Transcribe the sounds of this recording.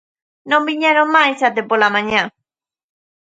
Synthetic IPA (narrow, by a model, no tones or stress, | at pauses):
nõmbiɲaɾomajsat̪epolamãɲã